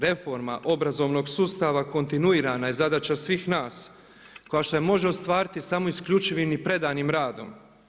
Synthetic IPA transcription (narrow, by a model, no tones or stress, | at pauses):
ɾe̞fo̞ɾma̰ʔo̞bɾazo̞ʋno̞ɡsuːst̪aʋako̞nt̪inuiːɾanaizad̪at͡ɕasʋiːxnaːs | ko̞jaʃt̪ojemo̞ʒeo̞st̪ʋaːɾit̪isamo̞iskʎʲut͡ʃiʋimipɾe̞d̪animɾaːd̪o̞̰m